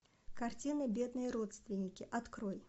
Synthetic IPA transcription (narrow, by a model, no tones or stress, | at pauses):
kɐrtʲinɨbʲe̞d̪nɨjəɾo̞t̪st̪vʲɪnʲːɪkʲɪʔɐt̪kɾo̞j